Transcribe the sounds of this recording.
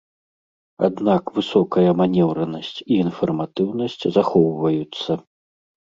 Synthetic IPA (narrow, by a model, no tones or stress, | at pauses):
a̰d̪nakvɨsɔkɐjɐmanʲɛwɾɐnɐsʲt͡sʲiːnfɐrmat̪ɨwnɐsʲt͡sʲzaxɔwvɐjut̪sːɐ